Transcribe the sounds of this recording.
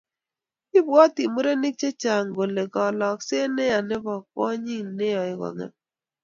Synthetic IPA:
ɪ˦bwɔ˦ti˨mu˦ɾe˦ni˦k̚t͡ʃe˦t͡ʃa˨ŋɡo˨le˨kɔ˨lɔ˨kse˦ne˦a˨ne˦bɔ˨k̚ɔ̰˦ɲi˦ŋne˦jɔ˨ɪ˦kɔ̰˨ŋɛ̰˨p̚

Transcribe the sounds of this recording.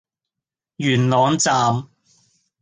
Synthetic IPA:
jyː˨˩nlɔː˨˧ŋt͡saː˨˧m

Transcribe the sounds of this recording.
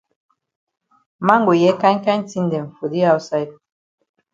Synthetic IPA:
ma˦ŋɡo˨jɛ˦ka˦ɲ˦ka˦ɲ˦ti˦n˨dɛ˨ɱ̩˨fo˨di˦a˦u˦sa˦jd̚

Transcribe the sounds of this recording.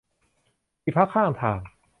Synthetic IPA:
iː˧˩pʰa˦˥kʰːaː˥˩˨ŋt̪ʰaː˨˧˩ŋ

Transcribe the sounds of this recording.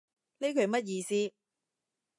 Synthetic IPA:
le˥jkʰɵ˨˧ɥmɐ˥t̚jiː˧siː˥

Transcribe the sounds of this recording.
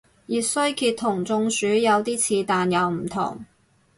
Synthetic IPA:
jiː˨sɵ˥ɥkʰiː˧t̪ʰːʊ˨˩ŋt͡sʊ˧ŋsyː˨˥jɐ˨˧wt̪iː˥t͡sʰiː˨˧t̪aː˨njɐ˨˧wm̩˨˩t̪ʰʊ̰˨˩ŋ

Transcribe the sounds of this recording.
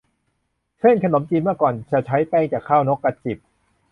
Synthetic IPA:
kʰe˥˩nkʰa˧no˩˦mt͡ɕiː˧nmɯ˥˩kɔː˨˩nt͡ɕa˨˩t͡ɕʰa˦˥jpɛː˧˩ŋt͡ɕaː˨˩kʰːaː˥˩wno˦˥kːa˧˥t̪̚t͡ɕi˨˩p̚

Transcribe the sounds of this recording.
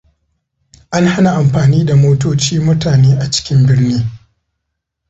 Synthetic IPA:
ʔa˦ŋha˦na˨ʔa˨mɸaː˨niː˦da˨moː˦toː˦t͡ʃiː˦mʊ˦taː˨neː˦ʔa˨t͡ʃɪ̥˦kʲɪ˦mbɪ˦rniː˦

